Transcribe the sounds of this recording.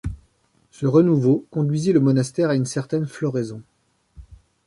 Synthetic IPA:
səʁənuvokɔ̃d̪ɥiziləmɔnast̪ɛʁaynsɛʁt̪ɛnflɔʁezɔ̃

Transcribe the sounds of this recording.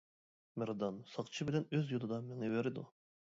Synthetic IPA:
mɪɾd̪ɑnsɑqt͡ʃʰibɪlɛnøzjolˠɨd̪ɑmeŋɪveɾɪd̪ṵ

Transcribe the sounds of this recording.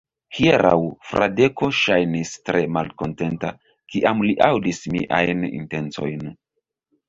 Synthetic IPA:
hieɾa̰wfɾʔa̰de̞ko̞ʃajnistɾe̞malko̞nte̞nta | kiʔamliʔawdismiʔajnḭnte̞nt͡so̞̰jn

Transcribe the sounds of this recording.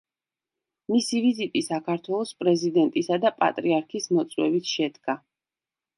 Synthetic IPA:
misivizit̪ʼisakʰaɾt̪ʰwɛlˠɔspʼɾɛzid̪ɛnt̪ʼisad̪apʼa̰t̪ʼɾiaɾkʰismɔt̪sʼwɛ̰bit̪ʰʃɛd̪ɡa

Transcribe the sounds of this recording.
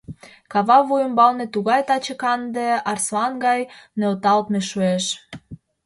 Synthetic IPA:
kɑβɑβujə̆mbɑlnĕt̪uɣɑjt̪ɑt͡ɕə̆kɑnd̪eɑrsoɑnɡɑjnøot̪ɑlt̪meʃueʃ

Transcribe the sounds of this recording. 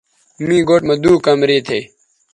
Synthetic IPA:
mĩːɡoːʈmɐd̪uːkɐmɾiːt̪ʰeː

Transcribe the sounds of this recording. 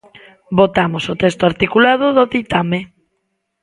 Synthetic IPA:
bot̪amosot̪ɛst̪oaɾt̪ikulaðʊðoðit̪ame

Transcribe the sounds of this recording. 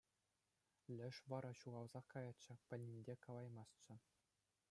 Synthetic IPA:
lʲɘ̆ʂʋɑɾɑɕuʁɑlˠzɑkːɑjɑt͡ɕːɘ̆pʲɘ̆lʲnʲinʲdʲekɑlˠɑjmɑst͡ɕɘ̆

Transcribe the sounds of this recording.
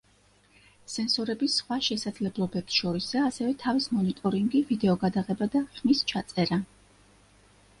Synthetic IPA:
sɛnsɔɾɛbisχwaʃɛsad̪zlɛblˠɔbɛpsʃɔɾisaːsɛvɛt̪ʰavismɔnit̪ʼɔɾiŋɡivid̪ɛɔɡad̪aʁɛbad̪aχmist͡ʃʰat̪sʼɛɾa

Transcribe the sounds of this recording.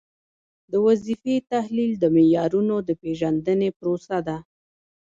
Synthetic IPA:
d̪əwazifet̪ahlild̪əmejɑɾunod̪əpeʒand̪ənepɾosad̪a

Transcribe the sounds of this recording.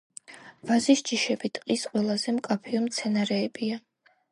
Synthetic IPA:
vazisd͡ʒiʃɛbit̪ʼqʼisqʼwɛlˠazɛmkʼapʰiɔmt̪sʰɛnaɾɛːbia

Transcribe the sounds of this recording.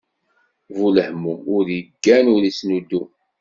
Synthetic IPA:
vuləħmumʊɾjəɡːænʊɾisnud̪ːu

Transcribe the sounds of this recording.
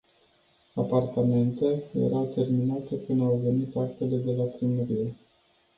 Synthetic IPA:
apart̪ame̞nt̪eljḛɾawt̪e̞rminat̪əkɨnawve̞nit̪ak̚t̪e̞le̞d̪e̞lapɾiməɾie̞

